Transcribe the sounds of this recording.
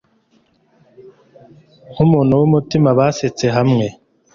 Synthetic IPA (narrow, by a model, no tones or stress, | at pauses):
umuːnhuwumutimaβaːset͡se̞ɦamŋe̞